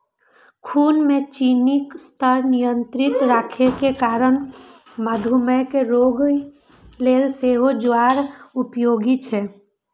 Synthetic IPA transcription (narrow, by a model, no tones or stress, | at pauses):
kʰunmet͡ʃinikst̪əɾnijənt̪ɾɪt̪ɾaːkʰekekaɾən | məd̪ʱuməkeɾoɡ | lelseɦod͡ʒwaɾupjoɡit͡ʃʰɛ